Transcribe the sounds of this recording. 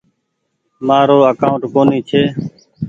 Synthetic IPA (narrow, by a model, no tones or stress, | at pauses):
maːɾoːəkaːʊɳʈkoːniːt͡ʃʰeː